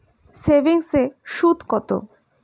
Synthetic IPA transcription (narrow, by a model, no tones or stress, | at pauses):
sebiŋseʃud̪ʱkɔt̪o̰